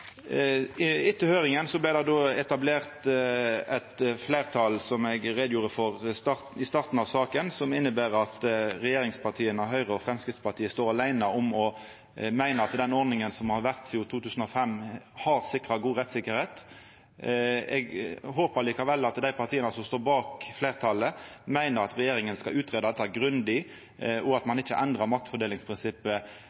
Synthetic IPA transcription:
ɪt̪ːəhøːʁɪŋənsɔblæɪd̪ɛd̪oːɛt̪ɑbleːʁt̪ | ɛt̪fleɪʁt̪ʰɑlsɔmɛɡʁeːd̪juːʁəfɔʁst̪ɑt̪ɪst̪ɑʁt̪n̩ɑʋsɑːkənsɔmɪnːəbæːʁɑt̪ʁɛjeːɾʁɪŋspʰɑʁt̪ʰiːənəɦœʏʁəɔfʁɛmskʁɪft̪spɑʁt̪ʰiːəst̪oːʁɑlæɪnəɔmɔ | mæɪnəɑt̪d̪ɛnɔʁnɪŋənsɔmhɑʋæʁt̪sːʊt̪ʰuːt̪ʰʉːsən̩ɔfɛmhɑʁsɪkʁɑɡuːʁɛt̪sɪkəɾheːt̪ | ɛɡɦoːpəliːkɑʋɛlːɑt̪d̪æɪpʰɑʁt̪ʰiːənəsɔmst̪oːɾbɑːkfleːʁt̪ʰɑlːəmæɪnəʁɑt̪ʁɛjeːɾɪŋənskɑʉːt̪ʁeːd̪ɑd̪ɛt̪ːɑɡɾʉnd̪ɪ | ɔɑt̪mɑnɪt͡ʃːə̰ʔɛnd̪ʁəmɑk̚t̪fɔdɖeːlɪŋspʰʁɪnsɪpːə

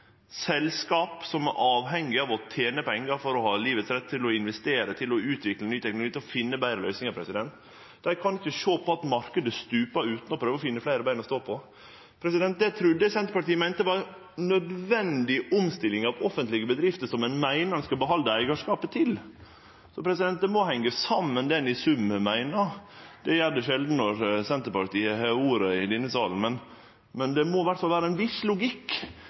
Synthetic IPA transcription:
sɛlskɑːpsɔmɛʔɑːʋɦɛŋːɪɑʋɔt̪ʰeːnəpɛŋːɑɾfɔɾɔhɑːliːʋət̪sɾɛt̪ʰːɪlɔɪnʋɛst̪eːɾət̪ʰɪlɔʉːt̪ʋɪklənyːt̪ʰɛknlʊɡiːt̪ɛlɔfɪnːəbæɪɾəlœʏsnɪŋɑɾpʰɾɛsɪd̪ɛnt̪ | d̪æɾkʰɑnɪçəʃoːpʰɔɑt̪mɑɾkəd̪əst̪ʉːpəʉːt̪n̩ɔpʰɾøːʋɔfɪnːəflæɪɾəbæɪnɔst̪oːpʰɔ | pʰɾɛsɪd̪ɛnt̪̚d̪ɛt̪ʰɾʉd̪ːəsɛnt̪əpɑʈiːəmæɪnt̪əʋɑːɾ | nœd̪ʋɛnd̪ɪɔmst̪ɪlɪŋɑʋɔfənt̪lɪɡəbəd̪ɾɪft̪əsɔmɛnmæɪnəɾnskɑbəɦɑnd̪əæɪɡɑʂkɑːpət̪ʰɪl | sɔpɾɛsɪd̪ɛnt̪̚d̪ɛmɔhɛŋːəsɑmːənd̪ɛnɪsʉmːəmæɪnɑd̪̥ɛjæɾd̪ɛʃɛld̪n̩nɔɾsɛnt̪əɾpɑʈiːəɛuːɾəɪd̪ɛnːəsɑːln̩mɛn | mɛnd̪ɛmɔʋæʈːfɑlʋæːɾəɛnʋɪslʊɡɪkː

